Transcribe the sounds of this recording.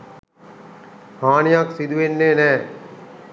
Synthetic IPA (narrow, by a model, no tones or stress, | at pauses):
haːnijaksid̪uʋenːeːnɛː